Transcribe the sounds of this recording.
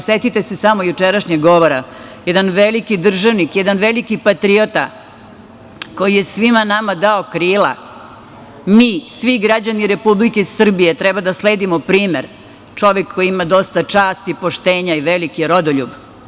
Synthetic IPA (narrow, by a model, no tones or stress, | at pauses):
set̪it̪esesamojut͡ʃeɾaʃɲeɡɡo̞ʋoɾajɛd̪anʋelikid̪r̩ʒaʋnikjɛd̪anʋelikipat̪ɾiot̪a̰ | ko̞jije̞sʋimanamad̪aokɾiːla̰ | miːsʋiɡɾad͡ʑaniɾe̞publikeir̩bijet̪ɾɛbad̪asleːd̪imopɾiːmeɾ | t͡ʂo̞ʋekːojiimad̪o̞st̪at͡ʂaːst̪ipoʃt̪eːɲaiʋelikiɾod̪oʎṵb